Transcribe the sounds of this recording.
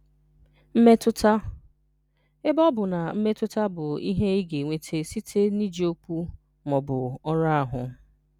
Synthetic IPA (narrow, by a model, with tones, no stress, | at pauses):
m̩˦me˦tʊ˦tʰa˦ | ɪ˦bɔ˦bʊ˨na˨m̩˦me˦tʊ˦ta˦bʊ˨i˦ɦe˦i˦ɡe˨ŋʷe˨tʰe˦si˦tʰe˦ni˦d͡ʒi˦o˦ku˦ | mɔ˨bʊ˨ɔ˦ɾa˦a˨ɦʊ˨